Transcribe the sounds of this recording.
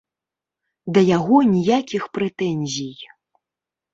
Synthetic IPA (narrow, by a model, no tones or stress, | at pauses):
d̪ɐjaɣɔnʲijakʲixpɾɛt̪ɛnʲzʲij